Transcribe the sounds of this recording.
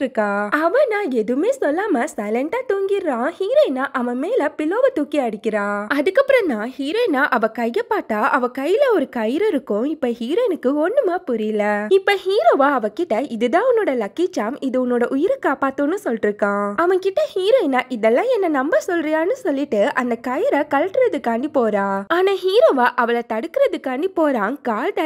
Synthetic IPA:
ɾɯkːaːɐʋɐ̃nãːɛðɯmeːsɔlːaːmɐsɐɪlɛɳʈaːt̪uːŋɡɪɾːãːhiːɾoːnːaːʔɐʋɐ̃meːlɐpɪloːʋɐt̪uːkːiɐɽɪkʲːɪɾãːɐðɯkːɐpːɯɾɐ̃nãːhiːɾoːnaːʔɐʋɐ̃kɐjːɐpːaːt̪ːaːʔɐʋɐ̃kɐjɪlɐɔɾɯkɐjɪɾɐɾɯkːʊ̃ɪpːoːhiːɾoːɪnɯkːɯɔnːɯmaːpʊɾɪjɪlɐɪpːoːhiːɾoːʋaːɐʋɐkɪʈːɐɪðɯðãːʊnːoːɽɐlɐkːit͡ʃːaːmɪðɯʊnːoːɽɐʔʊjɪɾɐkaːpaːt̪ːõnːɯsɔlʈɪɾɯkːãːɐʋɐ̃ŋkɪʈːɐhiːɾojɪnaːʔɪðɛlːãːɛnːɐnɐmbɐsɔlrɪjaːnɯsɔlːɪʈːɯʔɐnd̪ɐkɐjɪɾɐkɐlɐʈːɯɾɐðɯkaːɳɖipoːɾãːaːnaːɦiːɾoːʋaːʔɐʋɐɭɐt̪ɐɽɯkːɯɾɐðɯkaːɳɖipoːɾaːnkaːld̪ɐ

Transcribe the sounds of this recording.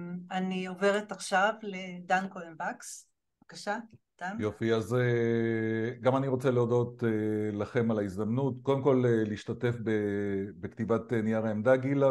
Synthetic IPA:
anio̞veʁetaχʃavled̪ankolenbaks | akaʃa | d̪̥anjofiaze | ɡamaniʁo̞t͡seleodo̞t̪elaχe̞malaizd̪amnutko̞d̪e̞mko̞leliiʃtate̞fbebekt̪ivatenijaʁaemd̪aɡila

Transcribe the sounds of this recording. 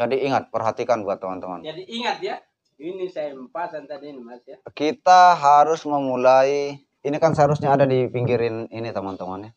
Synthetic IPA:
d͡ʒadiːŋat̪̚pərɦat̪ikanbuat̪ːəmant̪əmand͡ʒadiiŋat̪̚ja | inisampasant̪adinimasjakit̪aɦaɾʊsməmulaiː | nikansəɦaɾusɲaːdadipiŋɡiɾɪninit̪əmant̪əmanɲa

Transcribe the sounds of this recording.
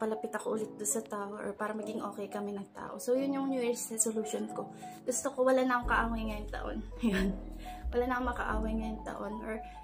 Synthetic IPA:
pɐlɐpɪt̪ɐkoʔʊlɛt̪̚d̪ʊnsɐt̪aːʔoʔɔ̰paːɾɐmɐɡɪŋʔo̞ːkɛjkɐmɛnɐŋt̪a̰ːʔo̞̰sowjʊnjʊŋnuːjɛɹsɛsoluːʃonko̞ɡʊst̪okowɐlanɐʔoŋkɐʔaːwɐjŋɐjoŋt̪ɐ̰ʔo̰nɐjonwɐlanɐkoŋmɐkɐʔa̰ːwɐjŋɐjoŋt̪ɐ̰ʔo̞nʔɔɹ

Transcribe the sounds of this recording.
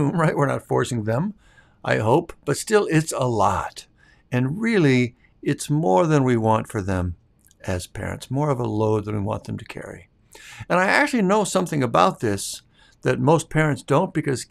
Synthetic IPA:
mɹaɪʔ̚wəɹnə̰tfɔɹsɪ̃ŋðə̃m | ʔa̰ɪɦoʊpb̥ʌtstɪlˠɪtsəlɔ̰ɾ | ɨ̃nɹɪlˠi | ɨtsmɔɹðɨ̃nwiwɑ̃ntfə˞ðɨ̃m | ɨz̥pʰɛ̰ɹɨ̰̃ntsmɔɹʌvəloʊd̪̚ðɨ̃nwiwɑ̰̃nðɨ̃m̩tʰɨ̥kʰɛ̰ɹḭ | ɨ̃naɪæk̚t͡ʃʉl̩ˠinoʊsʌ̃mθɪ̃ŋɨbaʊt̪̚ðɪs | ðɨt̚moʊspʰɛɹɨ̃ntsd̥õʊ̃nb̥ɨkʌz̥

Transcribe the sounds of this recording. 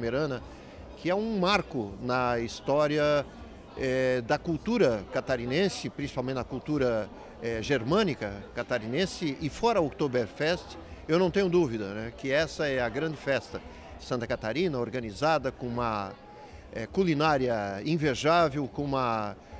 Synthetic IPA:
meɾɐ̃nɐ | kʰɪɛũmaɾkʊnɐist̪ɔɾiɐ | ɛd̪ɐkuwt̪uɾɐkat̪aɾinẽsɪpɾĩsi̥pawmẽt̪t͡ʃ̪ɪɐkuwt̪uɾɐ | ɛʒeɾmɐ̃nikɐkat̪aɾinẽsɪɪfɔɾɐokt̪obeɾfɛst̪ɪ̥ | ewnɐ̃w̃t̪ẽɲʊd̪uvid̪ɐnɛkɪɛsɐɛɐɡɾɐ̃nd͡ʒɪfɛst̪ɐ | ɪ̥sɐ̃nt̪ɐkat̪aɾĩnɐoɾɡɐnizad̪ɐkõũmɐ | ɛkulinaɾjɐĩveʒavewkõũmɐ

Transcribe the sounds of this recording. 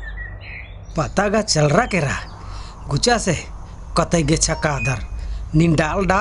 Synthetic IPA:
pat̪aɡat͡ʃɛlrakɛɾa | ɡut͡ʃase | kat̪aiɡɛt͡ʃakad̪arnindalda

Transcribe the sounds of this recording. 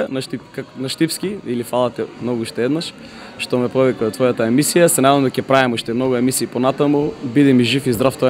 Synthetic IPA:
naʃt̪ianaʃt̪ifskiilifalˠat̪ɛmnɔɡuuʃt̪ɛɛd̪naʃ | ʃt̪ɔmɛpɔvikaɔt̪vɔjat̪aɛmisijasɛnaaamd̪ɔkʲɛpɾavɛmuʃt̪ɛmnoɡuɛmisiːponat̪amubid̪ɛmiʒifizd̪ɾaft̪ɔ

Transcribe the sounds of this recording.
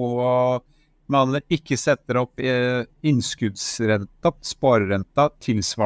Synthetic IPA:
mɑnːəɾɪkːəsɛt̪ːəɾɔpː | ɪnskʉd̪sɾɛt̪ːɑpspoːɾəɾɛnt̪ɑt̪ʰɪlsʋɑː

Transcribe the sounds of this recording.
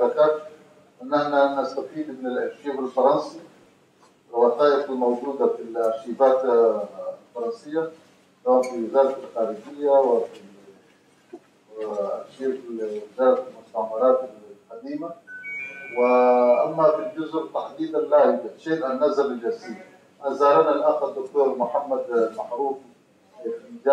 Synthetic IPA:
ɾakaːt̪ | ʔɪnːʔaħnanast̪afiːd̪mɪnɪlʔaɾʃiːbalfɑɾˤɑnsi | ɪlwɑːt̪aːjɪqɪlmawd͡ʒuːd̪afilaʃiːbaːt̪ | lfɑɾˤɑnsɪjːa | t̪amafɪɪzaːɾt̪alxaːɾid͡ʒɪjːawɪfi | aʃiːbiɪzaːɾt̪almʊst̪aʕmɑɾaːt̪alqad̪iːma | wɪʔamːafild͡ʒʊzʔt̪aħd̪iːd̪anlaːjʊdat̪ʃeːnʔanːazalald͡ʒasiːd̪ | aazaːɾˤɑnalʔaxad̪ːʊkt̪oːɾmʊħamːad̪lmaʕɾuːf | ɪbɪd͡ʒa

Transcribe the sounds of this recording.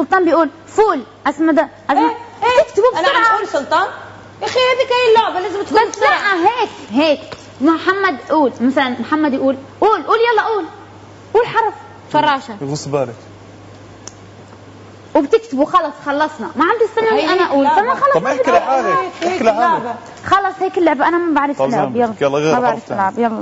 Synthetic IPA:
sʊlt̪ˤɑːnbɪjʔuːl | fuːlʔasmad̪aʔasmt̪ɪkt̪ɪbubasʊʕauːlsʊlt̪ˤɑːn | ʔaxiaːd̪ikajɪlːʊʕbalaːzɪmt̪kːaaʔaɦeːkheːk | mʊħamːad̪ʔuːlmaθalanmħamːad̪jʔuːlʔuːlʔuːljɑlˤːɑʔuːl | ʔuːlħɑɾˤɑsˤ | fɑrˤːɑːʃaɣʊsˤbaːlak | wbt̪ɪkt̪ɪbuxɑlɑsˤxɑlˤːɑsˤnɑmaʕamd̪isːanːaliʔanaʔuːlfamaxɑlˤːɑkʕaːklʕa | xɑlˤːɑsˤheːkɪlːʊʕbʔanamabaʕɾɪflːʕabjɑlːɑmabaʕɾɪfɪllːʕabjɑlːɑ̰

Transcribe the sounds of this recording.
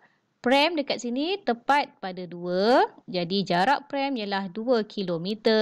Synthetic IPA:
pɾɛmdəkat̪̚sinit̪əpat̪̚padaduəd͡ʒadid͡ʒaɾaʔpɾɛmjalahduəkʰilomit̪ə

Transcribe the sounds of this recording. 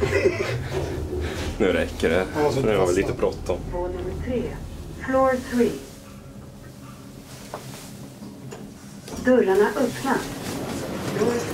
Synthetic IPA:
nʉ̟ːɾɛkːəɖɛfɔnʉːhaɾvɛliːt̪əbɾɔt̪ːɔmvoːnɵməʈʰɾeːfloːɾt̪ʰɾiː | d̪ɵlːaɳaʔœpna | ɾo

